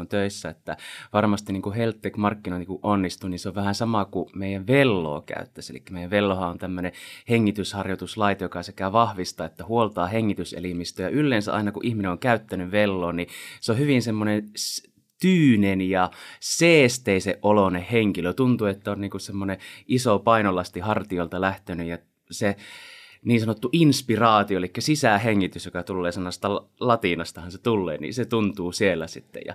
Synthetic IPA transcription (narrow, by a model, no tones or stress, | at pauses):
ont̪øisːæet̪ːæʋɑrmɑst̪inniːŋkuhelt̪ːekmɑrkːinoinikuʔʔonːist̪uninseoʋʋæhænsɑmɑkumeˑijæʋʋelːo̰ːkæ̰yt̪ːæsḛlḭkːæmeijæʋʋelːohɑont̪æmːøneheŋːit̪yshɑrjot̪uslɑit̪ɑjokɑsekæʋɑhʋist̪ɑːet̪ːæhuolt̪ɑːheŋːit̪ysḛlimist̪øjɑʔylːeːnsæʔɑ̰inɑkuʔihmineoŋkæyt̪ːænyʋelːoːniseohyʋinsemːonen | t̪yːnenjɑseːst̪eiseʔʔʔolonehheŋkiløt̪unt̪uet̪ːæonniːŋkussemːoneʔisopɑinolɑst̪ihɑrt̪iolt̪ɑlæht̪enyjɑ | se | niːnsɑnot̪ːuʔinspirɑːt̪ioelikːæsisæheŋːit̪ysjokɑt̪ulːeːsemːɑst̪ɑl | lɑt̪inɑst̪ɑhɑnset̪ulːḛːnḭset̪unt̪uːsielːæsit̪ːḛjɑ̰